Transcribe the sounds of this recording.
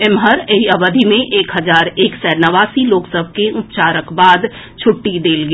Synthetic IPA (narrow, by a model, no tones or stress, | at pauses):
ɪmɦəɾeɦiəbəd̪ʱimẽʔeːkɦəzaːɾeːksɛːnəʋaːsiloːksəb̚ʱkeʔʊp̚t͡ʃaːɾəkbaːd̪ | t͡ʃʰʊʈːid̪eːlɡi